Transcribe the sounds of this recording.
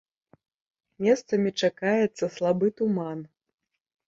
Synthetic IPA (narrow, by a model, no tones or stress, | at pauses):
mʲɛst̪sɐmʲit͡ʂakajɛt̪sːɐslˠabɨt̪uman